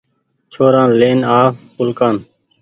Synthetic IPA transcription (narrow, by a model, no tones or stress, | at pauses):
t͡ʃʰoːɾãːleːnaːkʊlkaːn